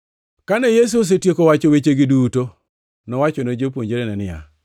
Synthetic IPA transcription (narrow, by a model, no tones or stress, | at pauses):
kanejes̬uos̬etjekowat͡ʃowet͡ʃeɡɪduto | nɔwat͡ʃonod͡ʒep̬woɲd͡ʒeɾenɛnɪja̰